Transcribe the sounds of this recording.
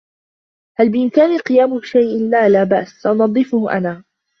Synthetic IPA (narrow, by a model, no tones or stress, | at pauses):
halbɪʔɪmkaːnalqɨjaːmʊʃajʔlaːlaːbaʔsaʔʊnɑd̪ˤːɨfʊhʔa̰naː